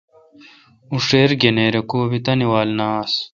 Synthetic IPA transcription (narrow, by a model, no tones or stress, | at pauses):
uʂeːɾɡeneːɾekoːbit̪ɐniwaːlnaːs